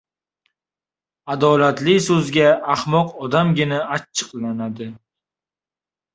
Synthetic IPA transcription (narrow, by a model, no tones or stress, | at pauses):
ad̪ɒlat̪lɪsɵzɡʲaahmɒqɒd̪amɡʲɪnaat͡ʃʰːɨ̥qlanad̪ɪ